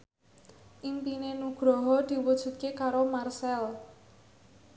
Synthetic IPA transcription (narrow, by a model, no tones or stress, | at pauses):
ʔimpinenuɡ̥ɾɔɦɔd̪̥i̤wud̥ʒ̥ṳt̪̚kekaɾomarsɛl